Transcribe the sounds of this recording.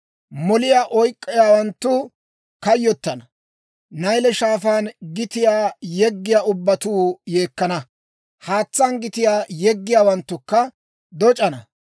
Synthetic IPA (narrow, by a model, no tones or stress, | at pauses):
mɔlɪjaːʔɔjkʼːɪjaːwɐnt̪ːʊ | kɐjːɔt̪ːɐnɐ | nɐjlɛʃaːfaːnɡɪt̪ɪjaːjɛɡːɪjaːʔʊbːɐt̪uːjeːkːɐnɐ | haːt͡sːaːnɡɪt̪ɪjaːjɛɡːɪjaːwɐnt̪ːʊkːɐ | d̪ɔt͡ʃʼɐnɐ